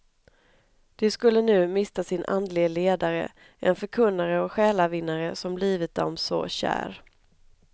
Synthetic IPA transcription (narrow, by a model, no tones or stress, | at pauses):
d̪̥ɛskɵlːənʉ̟ːmɪst̪asɪnʔa̰nd̪lɪɡəleːd̪aɾə̰ | ʔɛ̰nfœɾkʰɵnːaɾəɔkɧɛːlavɪnːaɾəsɔmbliːvɪt̪̚d̪ɔ̰msɔ̰ɕæ̰ːɾ